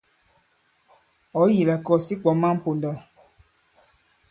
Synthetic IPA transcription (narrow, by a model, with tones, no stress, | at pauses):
ɔ˨˦ji˨la˨kɔ˦˨si˦k͡pɔ˨˦mã˦po˨ndɔ˨